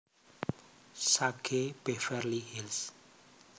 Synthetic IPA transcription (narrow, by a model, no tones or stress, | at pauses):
sakʰepefɛɾlihils